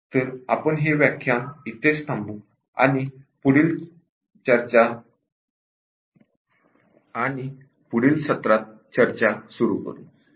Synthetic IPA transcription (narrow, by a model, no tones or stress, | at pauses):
t̪əɾa̰pəɳɦeʋjakʰjãmit̪est̪ʰãmbu | a̰ñipuɽil | t͡ɕəɾt͡ɕa | ñi | puɽiːlɕət̪ɾat̪̚ | t͡ɕəɾt͡ɕasuɾṵkə̰ɾṵː